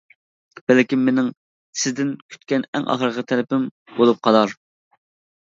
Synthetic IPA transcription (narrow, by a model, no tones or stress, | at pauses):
b̥ɛlkʲimːenɪŋ | sɪzd̪ɪnkʲʰy̥t̪kʲɛnɛ̰ŋʔɑ̰χəɾʁɑt̪ʰɛlɪpɪm | bolˠup̚qʰɑlˠɑɾ